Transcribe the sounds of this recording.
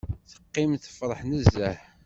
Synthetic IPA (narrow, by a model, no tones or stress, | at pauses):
θə̥qːimθə̥fɾˤəħnəzːæħ